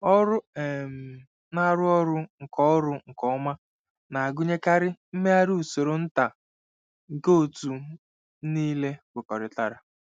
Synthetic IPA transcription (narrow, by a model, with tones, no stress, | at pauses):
ɔ˦ɾʊ˦e˨m̩˨ | na˦ɾʊ˦ɔ˦ɾʊ˦ŋ̩˨kɔ˦ɔ˦ɾʊ˦ŋ̩˨kɔ˦ma˦ | na˨a˨ɡʊ˦ɲe˦ka˦ɾɪ˦m̩˦me˦a˦ɾu˦u˨so˨ɾo˨n̩˦ta˨ | ŋ̩˨ko˦o˨tu˨ | niː˦le˦wʷe˨kɔ˨ɾɪ˨ta˨ɾa˨